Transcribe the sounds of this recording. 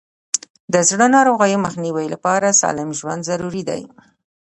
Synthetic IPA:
d̪əzɽənɑɾoɣajoməxniwajlapɑɾasɑ̰lɪmʒwa̰nd̪zaɾuɾid̪a̰j

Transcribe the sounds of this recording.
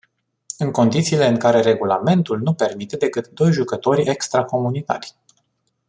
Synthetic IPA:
ɨŋko̞nd̪it̪siːle̞ɨŋkaɾe̞ɾe̞ɡulame̞nt̪ulnupe̞rmit̪e̞d̪e̞kɨt̪d̪o̞jʒukət̪o̞ɾʲe̞kst̪ɾako̞munit̪a̰rʲ

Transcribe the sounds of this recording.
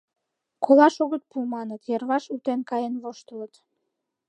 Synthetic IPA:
kolɑʃoɣət̪̚pumɑnət̪jerβɑʃut̪enkɑjenβoʃt̪ələt̪

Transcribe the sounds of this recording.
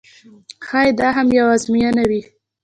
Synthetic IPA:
xɑjd̪ɑɦamjawazmijanawi

